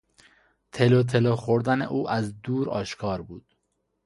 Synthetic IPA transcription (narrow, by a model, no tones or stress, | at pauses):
t̪ʰelot̪ʰeloxoɾd̪ænḛʔuːʔæzd̪uːɾɒ̰ːʃkʰɒːɾbuːd̪̥